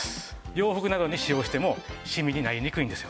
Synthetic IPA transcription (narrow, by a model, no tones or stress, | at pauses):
jo̞ːɸɯ̟kɯ̟nad̪o̞ɲ̟iɕijo̞ːɕi̥t̪e̞mo̞ɕimʲiɲ̟inaieɲʲikɯ̟ĩnd̪e̞sɨjo